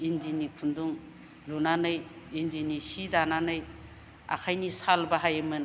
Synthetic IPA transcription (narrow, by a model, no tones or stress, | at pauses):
indinipʰunduŋ | lunanɯjindinisidananɯj | a̰kʰajnisalbaɦajɯmɯn